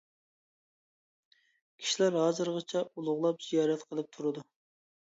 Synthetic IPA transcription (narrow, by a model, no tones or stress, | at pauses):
kʲʰi̥ʃilæɾɦɑːzɨɾʁɑt͡ʃʰɛulˠʊʁlˠɑpz̥ijɑːɾɛt̪qʰəlˠɨp̚t̪ʰuɾɨd̪u